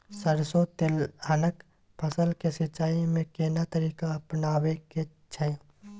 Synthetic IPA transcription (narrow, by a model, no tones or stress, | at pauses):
səɾsot̪elanək | pʰəsəlkesɪt͡ʃːaːimẽkeːnat̪əɾiːkaɐpnaːweke | t͡ʃʰɐẽ